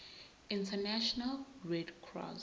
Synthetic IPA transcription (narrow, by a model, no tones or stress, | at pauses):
ĩntʰənaʃɔnalɹɛdkʰɹɔ̰s